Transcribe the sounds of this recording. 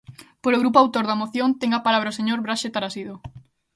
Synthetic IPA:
poɾoɣɾupoawt̪oɾðɐmoθjont̪eŋapalaβɾɐoseɲoɾβɾaʃet̪aɾasiðo

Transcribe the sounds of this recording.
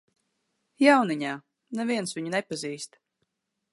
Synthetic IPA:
jawniɲaː | navʲiɛnsviɲunɛpaziːst̪

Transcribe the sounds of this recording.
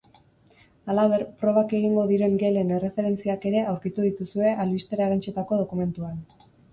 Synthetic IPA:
alaβ̞e̞ɾpɾo̞β̞ake̞ɣ̞iŋɡo̞ðiɾe̞ŋɡe̞le̞ne̞re̞fe̞ɾe̞nt͡siake̞ɾe̞ʔawɾkit̪uðit̪usue̞ʔalβist̪eɾaɣant͡ʃe̞t̪ako̞ð̞o̞kume̞nt̪uan

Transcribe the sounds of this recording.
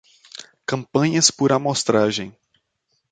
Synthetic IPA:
kɐ̃mpɐ̃ɲɐspʊɾamost̪ɾaʒẽj̃

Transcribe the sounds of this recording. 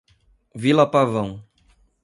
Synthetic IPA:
vilɐpavɐ̃w̃

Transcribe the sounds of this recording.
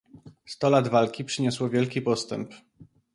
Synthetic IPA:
st̪ɔlad̪valkʲipʂɘɲɔswɔvʲjɛlkʲipɔst̪ɛmp

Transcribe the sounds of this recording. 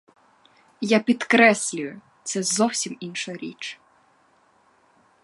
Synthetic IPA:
japʲid̪kɾɛsʲlʲʊjʊ | t̪sɛzɔwsʲiminʃɔɾʲḭt͡ʃ

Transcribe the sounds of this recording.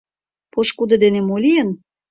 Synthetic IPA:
poʃkud̪ɤ̆d̪enemolʲijən

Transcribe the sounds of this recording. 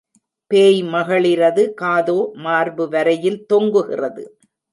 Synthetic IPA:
peːjmɐɣɐɭɪɾɐðɯkaːðoːmaːɾbɯʋɐɾɐjɪlt̪ɔŋɡɯɣɪ̰rɐðɯ̰

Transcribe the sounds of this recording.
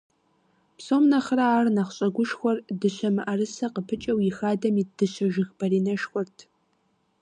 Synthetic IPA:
psoːmnɐχraaːrnɐχɕʼɐɡʷʊʃxʷɔrdɨɕʷɐmɨʔɐrɨsɐqəpʰɨt͡ʃʼɐwjɪxaːdɐmiːd̥ɨɕɐʒɪxb̥ɐɾiːnɐʃxʷɔrtʰ

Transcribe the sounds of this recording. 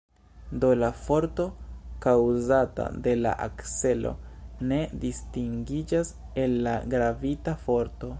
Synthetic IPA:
do̞lafo̞ɾto̞kawzata̰de̞la̰ʔa̰kse̞lo̞̰ne̞distiŋɡid͡ʒas | e̞lːaɡɾavitafo̞ɾto̞

